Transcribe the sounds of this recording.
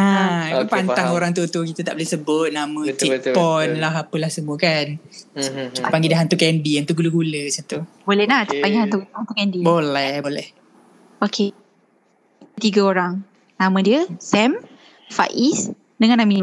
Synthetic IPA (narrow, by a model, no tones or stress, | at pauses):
aupant̪aŋoɾaŋt̪̬ut̪ukit̪at̪aʔbolehsəbʊt̪̚namə̃t̪ipɔnlaɦapəlahsəmuəkan | kipaŋɡidaɦant̪ukɛndiant̪uɡuluɡulət͡ʃɔnt̪ubolɛhlaht̪iaŋɡiɦant̪ukunt̪ukɛndibolɛhbolɛh | okʰe | ət̪iɡəoɾaŋ | namə̃diəsɛm | fa̰ʔis | dəŋanːami